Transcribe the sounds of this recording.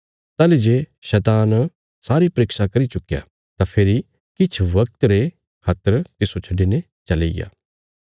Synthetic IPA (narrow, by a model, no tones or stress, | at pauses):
t̪aːled͡ʒeʃɛːt̪aːn | saːɾipɐɾɪːksakɐɾit͡ʃʊkja̰ | t̪apʰɪɾi | kɪt͡ʃʰʋɐk̚t̪ɾe | kʰaːt̪ːəɾt̪ɪsot͡ʃʰɐɖine | t͡ʃɐlḛɡa̰ː